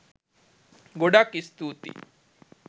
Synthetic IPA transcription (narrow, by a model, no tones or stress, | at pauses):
ɡoɽakist̪ut̪ḭ